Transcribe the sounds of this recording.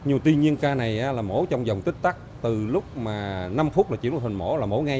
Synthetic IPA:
ɲ˨˩t̪wi˧ɲi˧ənkaː˧na˨˩jʔaː˨˦laː˨˩mo̰˨˦t͡ɕɔ˧wŋ͡mzə˨˩wŋ͡mt̪i˦˥k̚t̪a˦˥k̚t̪ɨ˨˩lʊ˦˥k͡p̚maː˨˩na˧mfu˦˥t̚aː˨˩t͡ɕi˧˦˩t̪ʰnmo̰˧˦laː˨˩mo˧˦ŋa˧

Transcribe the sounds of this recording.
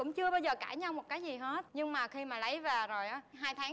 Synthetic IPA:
ʊ̰˧˥ŋ͡mt͡ɕɨ˧əɓaː˧wzəː˨˩kaː˧˩jɲa˧wmo˨˩t̚kaː˨˦jzi˨˩ɦe˦˥t̚ɲɨ˧ŋmaː˨˩xi˧maː˨˩lə˨˦jvaː˨˩zo˨˩jʔaː˨˦ɦaː˧jt̪ʰaː˨˦

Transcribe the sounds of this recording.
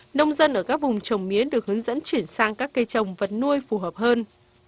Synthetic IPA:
nə˧wŋ͡mzə˧nʔəː˧˩kaː˦˥k̚vʊ˨˩ŋ͡mt͡ɕə˨˩wŋ͡mmi˨˦əɗɨ˨˩ək̚hɨ˨˦ŋzə̰˧˥nt͡ɕwi˧˩ənsaː˧ŋkaː˦˥kːə˧jt͡ɕə˨˩wŋ͡mvə˨˩t̚nu˧əjfu˧˩ɦəː˨˩p̚həː˧n

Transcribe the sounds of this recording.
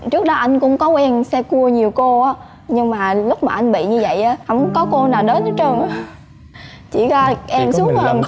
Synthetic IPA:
t͡ɕɨ˦˥ək̚ɗɔ˨˦ʔa˧jŋ̟kʊ̰˧˥ŋ͡mkɔ˨˦kwɛ˧nsɛ˧ku˧əɲi˨˩əwko˧ʔaː˨˦ | ɲɨ˧ŋmaː˨˩lʊ˦˥k͡p̚maː˨˩ʔa˧jŋ̟ɓḭ˧˨ɲɨ˧və̰˧˨jʔaː˨˦hɔ̰˧˥wŋ͡mkɔ˨˦ko˧naː˨˩wɗəː˨˦nə˨˦t͡ɕə˧ŋʔ | t͡ɕḭ˧˩ɣaː˧ʔɛ˧msu˨˦əŋə˨˧˩

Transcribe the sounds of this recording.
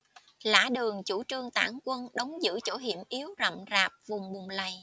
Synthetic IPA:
la̰ː˧˥ɗɨ˨˩əŋt͡ɕu˧˩t͡ɕɨ˧əŋt̪a̰ː˧˩ŋkwə˧nɗə˨˦wŋ͡mzɨ̰˧˥t͡ɕo˧˥ɦḭ˧˩əmʔi˨˦əwzə̰˧˨mzaː˨˩p̚vʊ˨˩ŋ͡mɓʊ˨˩ŋ͡mlə˨˩j

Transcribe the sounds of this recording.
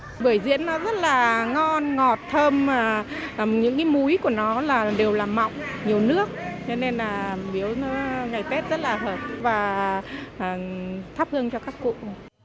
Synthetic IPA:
ɓəː˧˩əjzḭ˧˥ənːɔ˨˦zə˦˥t̚laː˨˩ŋɔ˧nŋɔ˨˩t̚t̪ʰəː˧mː˨˩˨ɲɨ̰˧˥ŋkaː˨˦jmu˨˦jku˧˩ənɔ˨˦laː˨˩ɗe˨˩wlaː˨˩ma̰˧˨wŋ͡mɲi˨˩əwnɨ˦˥ək̚t͡ɕɔ˧ne˧nlaː˨˩ɓi˨˦əwnɔ˨˦ŋa˨˩jt̪e˦˥t̚z̥ə˦˥t̚laː˨˩həː˧˩p̚vaː˨˩ | ʔəː˨˩t̪ʰaː˦˥p̚hɨ˧əŋt͡ɕɔ˧kaː˦˥kːṵ˧˨

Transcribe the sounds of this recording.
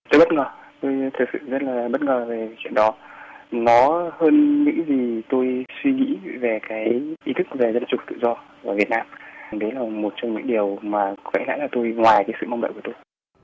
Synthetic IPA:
t̪o˧jɓə˦˥t̚ŋəː˨˩t̪o˧jt̪ʰɨ˨˩k̚sɨ̰˧˨zə˦˥t̚laː˨˩ɓə˦˥t̚ŋəː˨˩ve˨˩kːt͡ɕwḭ˧˨ənɗɔ˨˦nɔ˨˦həː˧nɲɨ̰˧˥ŋzi˨˩t̪o˧jswi˧ŋḭ˧˥ve˨˩kaː˨˦jʔi˨˦t̪ʰɨ˦˥k̚ve˨˩zə˧nt͡ɕʊ˨˩k͡p̚t̪ɨ̰˧˨zɔ˧vaː˨˩vət̚naː˧mɗe˨˦laː˨˩mo˨˩t̚t͡ɕɔ˧wŋ͡mɲɨ̰˧˥ŋɗi˨˩əwmaː˨˩˦və̰˧˥la̰ː˧˥jlaː˨˩t̪o˧jŋwaː˨˩jkaː˨˦jsɨ̰˧˨ma˧wŋ͡mɗə̰˧˨kə˩t̪o˧j

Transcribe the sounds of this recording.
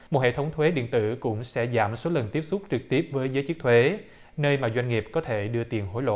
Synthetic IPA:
mo˨˩t̚hḛ˧˨t̪ʰə˨˦wŋ͡mt̪ʰwe˨˦ɗḭ˧˨ənt̪ɨ̰˧˨kʊ̰˧˥ŋ͡msɛ̰˧˥za̰ː˧˩mso˨˦lə˨˩nt̪i˦˥əp̚sʊ˦˥k͡p̚t͡ɕɨ˨˩k̚t̪i˦˥əp̚vəː˨˦jzəː˨˦jt͡ɕɨ˦˥k̚t̪ʰwe˨˦ | nəː˧jmaː˨˩zwa˧ŋ̟ŋi˨˩əp̚kɔ˨˦t̪ʰe˧˩ɗɨ˧ət̪i˨˩ənɦo̰˧˥˦jlo̰˧˨

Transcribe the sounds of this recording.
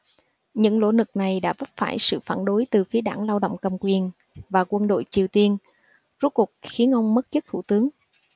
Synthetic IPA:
ɲɨ̰˧˥ŋlo̰˧˥nɨ˨˩k̚na˨˩jɗa̰ː˧˥və˦˥p̚fa̰ː˧˩jsɨ̰˧˨faː˧˩nɗo˨˦jt̪ɨ˨˩fi˨˦əɗaː˧˩ŋlaː˧wɗo̰˧˨wŋ͡mkə˨˩mkwi˨˩ən | vaː˨˩kwə˧nɗo̰˧˨jt͡ɕi˨˩əwt̪i˧ən | zu˦˥t̚ku˨˩k̚xi˨˦ənʔə˧wŋ͡mmə˦˥t̚t͡ɕə˦˥t̪ʰu˧˩t̪ɨ˨˦əŋ

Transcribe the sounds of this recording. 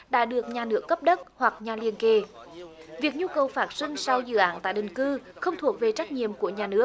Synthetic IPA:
ɗa̰ː˧˥ɗɨ˨˩ək̚ɲaː˨˩nɨ˦˥əkːə˦˥p̚ɗə˦˥t̚hwa˨˩k̚ɲaː˨˩li˨˩ənke˨˩ | vi˨˩ək̚ɲu˧kə˨˩wfaː˨˦˥t̚sï˧ŋ̟sa˧wzɨ̰˧˨ʔaː˧˩nt̪a̰ː˧˨jɗï˨˩ŋ̟kɨ˧ | xə˧wŋ͡mt̪ʰu˨˩ək̚ve˨˩t͡ɕa˦˥k̚ɲḭ˧˨əmku˧˩əɲaː˨˩nɨ˦˥ək̚

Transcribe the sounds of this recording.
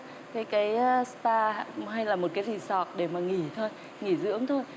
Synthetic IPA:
kaː˨˦jkaː˨˦jst̪aː˧˨ha˧jlaː˨˩mo˨˩t̚kaː˨˦jzi˧˨˩sɔ˨˩t̚ɗe˧˩maː˨˩ŋi˧˩t̪ʰo˧j | ŋi˧˩zɨ̰˧˥əŋt̪ʰo˧j

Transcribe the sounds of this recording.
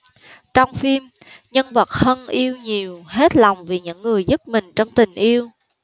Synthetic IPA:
t͡ɕɔ˧wŋ͡mfi˧mɲə˧nvə˨˩t̚hə˧nʔi˧əwɲi˨˩əwɦe˦˥t̚la˨˩wŋ͡mvi˨˩ɲɨ̰˧˥ŋːɨ˨˩əjzɨ˦˥t̚mï˨˩ŋ̟t͡ɕɔ˧wŋ͡mt̪ï˨˩ŋ̟ʔi˧əw

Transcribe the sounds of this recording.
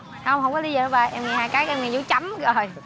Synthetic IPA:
hə˧wŋ͡mhə˧wŋ͡mkɔ˨˦li˧zəː˨əː˨˦ɓaː˨˩jʔɛ˧mŋɛ˨˩haː˧˩jkaː˨˦˥k̚ʔɛ˧mŋɛ˨˩zṵ˧˦t͡ɕa˨˦mzo˨˩j

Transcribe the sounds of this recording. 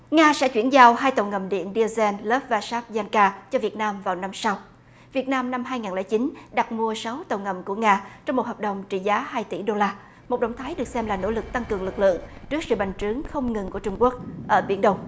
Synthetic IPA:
ŋaː˧sɛ̰˧˥t͡ɕwi˧˩ənzaː˧wɦaː˧jt̪ə˨˩wŋə˨˩mɗḭ˧˨ənɗi˧zɛ˧nləː˦˥p̚vaː˧˩saː˦˥p̚zaː˧nkaː˧t͡ɕɔ˧vi˨˩ət̚naː˧mvaː˨˩wna˧msa˧w | vi˨˩ət̚naː˧mna˧mɦaː˧jŋaː˨˩nlɛː˧˩t͡ɕi˨˦nɗa˨˩k̚mu˧əsa˨˦wt̪ə˨˩wŋə˨˩mku˧˩əŋaː˧t͡ɕɔ˧wŋ͡mmo˨˩t̚həː˨˩p̚ɗə˨˩wŋ͡mt͡ɕḭ˧˨˩zaː˨˦haː˧jt̪ḭ˧˩ɗo˧laː˧ | mo˨˩t̚ɗə̰˧˨wŋ͡mt̪ʰaː˨˦jɗɨ˨˩ək̚sɛ˧mlaː˨˩no̰˧˥lɨ˨˩k̚t̪a˧ŋkɨ˨˩əŋlɨ˨˩k̚lɨ̰˧˨əŋt͡ɕɨ˦˥ək̚sɨ̰˧˨ɓa˨˩jŋ̟t͡ɕɨ˨˦ŋxə˧wŋ͡mŋɨ˨˩ŋku˧˩ət͡ɕʊ˧ŋ͡mku˦˥ək̚ʔəː˧˩ɓḭ˧˩ənɗə˧wŋ͡m

